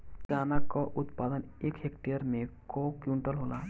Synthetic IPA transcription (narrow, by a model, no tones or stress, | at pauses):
t͡ʃaːnakɔʔʊt̪pad̪ənekɦekʈejəɾmẽkɔkjũɳʈəlɦola